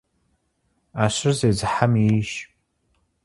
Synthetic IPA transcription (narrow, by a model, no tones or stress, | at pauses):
aːɕɪrzeːzɨħamiʃ